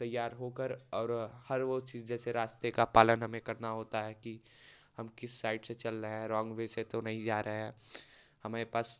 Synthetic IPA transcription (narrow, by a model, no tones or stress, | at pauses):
t̪ɐjːaːɾɦoːkəɾɔːɾhɐɾʋot͡ʃiːzd͡ʒɛːseɾaːst̪ekapaːlənɦɐmẽkɐɾnaɦoːt̪aɦɛkihɐmkɪsːaːɪɖset͡ʃɐlɾəɦɦɛ̃ɾɔ̃ːŋɡʋeset̪onɐɦĩd͡ʒaːɾɐɦɦɛ̃ː | hɐmaːɾepaːs